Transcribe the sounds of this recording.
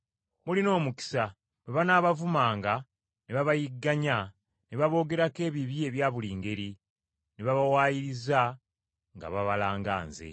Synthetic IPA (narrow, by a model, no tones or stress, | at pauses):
mulino̞ːmuki̥sa | weβanaːβavumaːŋɡa | neβaβajiɡːaɲa | neβaβo̞ːɡe̞ɾake̞ːβiβie̞βjaːβuliːŋɡe̞ɾi | neβaβawaːjiɾiza | ŋɡa̰βaβalaːŋɡa̰ːnzḛ